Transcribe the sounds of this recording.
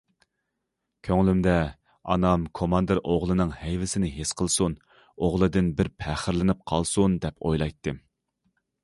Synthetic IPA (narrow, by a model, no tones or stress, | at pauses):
kʲʰøŋlymd̪ɛ | ɑ̰nɑmkʰomɑnd̪ɨɾʔoʁlˠɨnɨŋhɛjvɪsɪnɪɦesqʰəlˠsun | oʁlˠɨd̪ɪnbɪɾpʰɛχəɾlɪnɨp̚qʰɑlˠsund̪ɛpʰojlˠɑjt̪ʰːɨ